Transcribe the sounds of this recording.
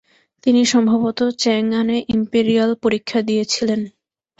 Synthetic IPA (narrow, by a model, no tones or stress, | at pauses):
t̪iniʃɔmbʱabot̪ot͡ɕɛŋːaneʔimpeɾialpoɾikʰːad̪ijet͡ɕʰilen